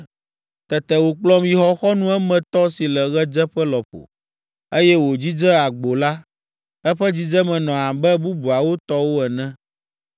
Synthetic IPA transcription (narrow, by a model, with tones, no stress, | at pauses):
t̪ɛ˨t̪ɛ˨wo˨k͡plɔ˦mi˨ɦɔ˦xɔ˦nũ˦ɛ˦mɛ̃˨t̪ɔ˦si˨lɛ˨ɣɛ˦d͡ʒɛ˦ɸɛ˦lɔ˨ɸo̰˨ | e˦jɛ˦wo˨d͡ʑi˦d͡zɛ˦a˨ɡ͡bo˨la˦ | ɛ˦ɸɛ˦d͡ʑi˦d͡ʒɛ˦mɛ̃˨nɔ̃˨a˨bɛ˦bu˦bu˨a˨wo˦t̪ɔ˦wo˦ɛ˨nɛ̃˦